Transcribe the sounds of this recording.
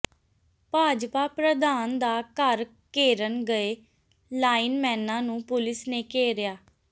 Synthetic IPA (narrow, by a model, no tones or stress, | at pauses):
paːd͡ʒpaːpɾəd̪aːnd̪aːkəɾ | keːɾənɡəeː | laːinmɛ̃ːnãːnũːpʊlɪsneːkeːɾɪjaː